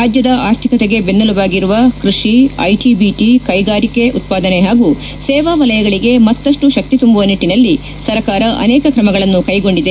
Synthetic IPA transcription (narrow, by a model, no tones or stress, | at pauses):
aːd͡ʒjɐd̪ɐʔaːɾt̪ʰikɐt̪eɡe̞bend̪ɐlɐʋaːɡiɾuʋɐkɾuʂiɐ̰jʈibiːʈikɐjɡaːɾike̞ʔut̪̚paːd̪ɐneɦaːɡu | sɛːʋaːʋɐlɐjɐɡɐɭiɡe̞mɐt̪ːɐʂʈuʃɐk̚t̪it̪umbuʋɐniʈːinɐlːi | sɐɾɐkaːɾɐʔɐ̰nɛːkɐkɾɐmɐɡɐɭɐnːukɐjɡo̞ɳɖid̪e